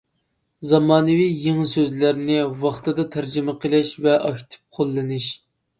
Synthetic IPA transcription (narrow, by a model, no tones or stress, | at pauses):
zɑmɑːnɨvijeŋsøzlæɾnɪwɑχt̪ʰɨd̪ɑt̪ʰæɾd͡ʒɪmɨqʰəlˠɛʃvɛʔɑkʲt̪ʰɪ̥p̚qʰolˠːɨnɨʃ